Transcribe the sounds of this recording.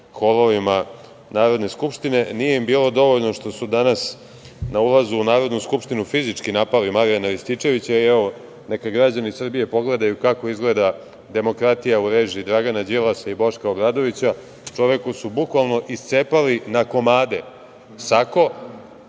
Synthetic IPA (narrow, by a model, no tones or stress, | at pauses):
xo̞lˠoʋima | naːɾo̞d̪neskupʃt̪ine̞nije̞imbiːlo̞d̪o̞ʋo̞ʎno̞ʃt̪o̞sud̪anas | naulˠazuːnaːɾo̞d̪nuskupʃt̪inufizit͡ʂkinapalimaɾijanaɾist̪it͡ʃe̞ʋit͡ɕaiɛʋo | ne̞kaɡɾad͡ʑanisr̩bije̞po̞ɡle̞d̪ajukako̞izɡle̞d̪a | d̪e̞mo̞kɾat̪ijauɾe̞ːʒiid̪ɾaɡanad͡ʑilˠasaibo̞ʃkaobɾaːd̪o̞ʋit͡ɕa | t͡ʃo̞ʋe̞kusubukʋalˠno̞ʔist̪seːpalinako̞maːd̪e | sako̞